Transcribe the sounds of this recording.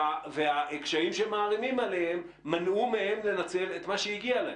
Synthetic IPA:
aveaekʃaimʃemaːʁimimalehemːanumehe̞mle̞nat͡se̞let̪maʃeiɡialae

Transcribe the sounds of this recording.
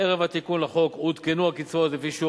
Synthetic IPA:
eʁevat̪ikunlaχo̞kut̪kenuakit͡svot̪lefiʃu

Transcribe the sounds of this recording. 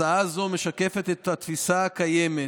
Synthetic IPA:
aazo̞me̞ʃake̞fe̞t̪et̪hat̪fisaːkajeme

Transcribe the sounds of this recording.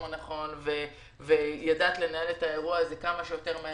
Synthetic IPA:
naχo̞nve | vejadaːt̪le̞naeletae̞ʁuazekamaʃejo̞teʁme

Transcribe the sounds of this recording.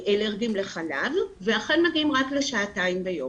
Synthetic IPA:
ʔeleʁɡimle̞χala̰vː | eaχenmaɡiimʁakleʃaːtaimbejo̞m

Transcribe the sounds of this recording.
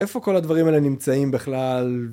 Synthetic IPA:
e̞fo̞ko̞lad̪vaʁimaelenimt͡saimbeχlal

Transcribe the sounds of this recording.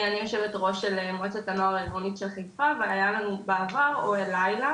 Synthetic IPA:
anijo̞ʃe̞ve̞tʁo̞ʃelemoet͡setanoaʁiɡonitʃelχajfaveajalanubeavaʁoelajla

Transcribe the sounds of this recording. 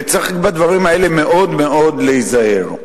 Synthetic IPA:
t͡saχikbad̪vaʁimae̞leme̞ʔo̞d̪me̞o̞d̪leizahe̞̰ʁ

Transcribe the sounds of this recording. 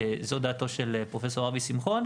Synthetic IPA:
zod̪aːt̪o̞ʃelpʁo̞fe̞s̬o̞ʁavisimχo̞n

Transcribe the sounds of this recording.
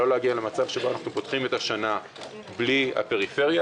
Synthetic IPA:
o̞leaɡiale̞mat͡sav̥ʃeboanaχnupot̪χimet̪aʃana | bliha̰pe̞ʁife̞ʁja

